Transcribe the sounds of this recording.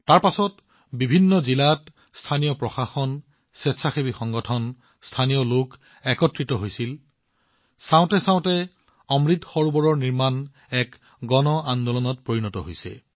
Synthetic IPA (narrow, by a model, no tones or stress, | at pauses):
taɹpasɔt | bibʱinːɔzilat | stʰanijɔpɹɔxaxɔn | sɛtsʰaxebixɔŋɡɔtʰɔn | stʰanijɔlok | ɛkɔtɹitɔɦojsil | sãʊ̃tɛsãw̃tɛ | ɔmɹitxɔɹubɔɹɔɹniɹman | ɛk | ɡɔnɔand̪ɔlɔnɔt̚pɹoɹinɔtɔ̰ɦojsɛ̰